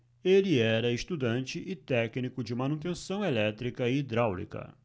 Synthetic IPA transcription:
elɪɛɾɐɪst̪ud̪ɐ̃nt͡ʃɪʔɪt̪ɛknikʊd͡ʒɪmɐ̃nut̪̬ẽsɐ̃w̃elɛt̪ɾikɐɪd̪ɾawlḭkɐ̰

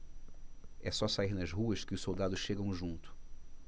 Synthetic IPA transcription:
ɛsɔsaiɾnɐzɦuɐʃkɪʊʃsowd̪ad̪ʊʃʃeɡɐ̃w̃ʒũnt̪ʊ̥

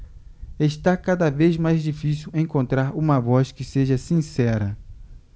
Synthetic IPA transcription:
eʃt̪akad̪ɐvezmajzd͡ʒifisiwẽŋkõnt̪ɾaɾũmɐvɔskɪseʒɐsĩsɛɾɐ

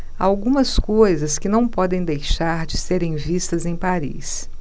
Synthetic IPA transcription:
a̰wɡũmɐskojzɐskɪnɐ̃w̃pɔd̪ẽj̃d̪ejʃaɾd͡ʒɪseɾẽj̃vist̪ɐzẽj̃paɾḭs

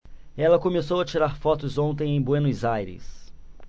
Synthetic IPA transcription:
ɛlɐkõmesowɐt͡ʃiɾaɾfɔt̪ʊzõnt̪ẽj̃ẽj̃bwẽnizajɾɪ̰s

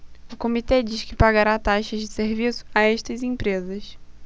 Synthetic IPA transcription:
ʊkomit̪ed͡ʒiʃkɪpaɡaɾat̪aʃɐzd͡ʒɪseɾvisʊ̥aɛʃt̪ɐzẽpɾezɐʃ

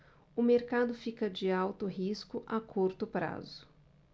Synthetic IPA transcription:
ʊmeɾkad̪ʊfikɐd͡ʒɪawt̪ʊɦiskʊʔakʰuɾt̪ʊpɾa̰zʊ

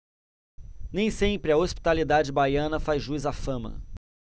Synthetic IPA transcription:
nẽj̃sẽpɾɪɐospi̥t̪alid̪ad͡ʒɪbajɐ̃nɐfazʒuizafɐ̃mɐ̰

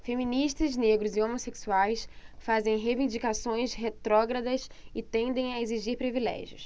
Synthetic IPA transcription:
femĩniʃt̪ɐzneɡɾʊzɪõmoseksuajsfazẽj̃ɦevĩd͡ʒikasõj̃sɦet̪ɾɔɡɾɐd̪ɐsɪt̪ẽnd̪ẽj̃ɐeziʒiɾpɾivilɛ̰ʒjʊ̰s

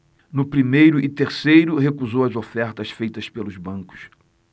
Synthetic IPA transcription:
nʊpɾimejɾʊʔɪt̪eɾsejɾʊɦekuzowɐzofɛɾt̪ɐsfejt̪ɐspelʊzbɐ̃kʊ̥s

